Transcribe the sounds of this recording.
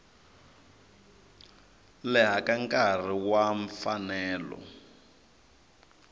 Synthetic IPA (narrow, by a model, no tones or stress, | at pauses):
lɛɦakaŋkʼar̤iwaɱfanɛːlɔ̰